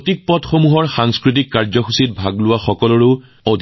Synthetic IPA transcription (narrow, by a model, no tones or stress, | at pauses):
tik̚pɔtxomuɦɔɹxaŋskɹit̬ikːaɹzɔxusitbʱaɡlʊwaxɔkɔlɔɹe | od̪ʱ